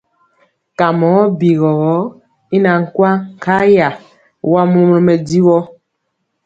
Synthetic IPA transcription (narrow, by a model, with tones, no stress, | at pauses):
ka˨mɔ˨˦bi˨ɣɔ˨ɣɔ˨˦ | i˦na˨ŋ̩˨kwa˦ŋ˨kʰa˦ja˨ | wa˦mo˦m˦ɔ˦mɛ˨di˦wɔ˦